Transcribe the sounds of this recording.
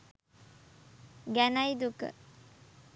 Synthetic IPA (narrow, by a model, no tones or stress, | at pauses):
ɡænajd̪ukə̰